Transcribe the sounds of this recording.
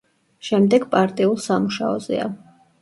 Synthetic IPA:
ʃɛmd̪ɛɡpʼaɾt̪ʼiulˠsamuʃaɔzɛ̰a̰

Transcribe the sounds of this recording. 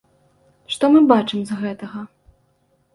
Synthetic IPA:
ʂt̪ɔmɨbat͡ʂɨmzɣɛt̪ɐɣɐ

